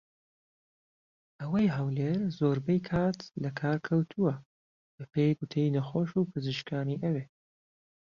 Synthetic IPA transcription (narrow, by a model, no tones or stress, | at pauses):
ʔɐwɐjɦawleːɾzoːɾbɛjkʰaːt̪lɐkʰaːɾkʰɐwt̪ʰuwɐ | bɐpʰejɡʊt̪ʰejnɐxoːʃupʰɨzɨʃkaːniːʔɐweː